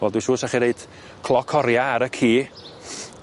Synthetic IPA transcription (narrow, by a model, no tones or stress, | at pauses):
vɛlˠdwisʃuːsaχinejd | kʰlˠɔkʰɔɾjaːɾəkʰiː